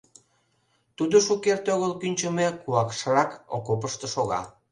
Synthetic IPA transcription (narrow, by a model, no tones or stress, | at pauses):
t̪ud̪oʃukert̪oɣəlkynʲt͡ɕəmekuɑkʃərɑko̰kop̬əʃt̪ə̆ʃoɣɑ̰